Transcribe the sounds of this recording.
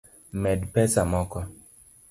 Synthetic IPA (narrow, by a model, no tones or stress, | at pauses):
mɛdpɛsamɔkɔ